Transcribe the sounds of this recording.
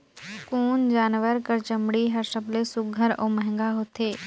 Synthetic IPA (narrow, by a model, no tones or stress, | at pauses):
ʊkuːnd͡ʒaːnʋəɾkəɾt͡ʃəmɽiɦɐɾsəblesʊɡʱəɾo̰ːməɦɪ̃ŋɡaɦoːt̪ʰeː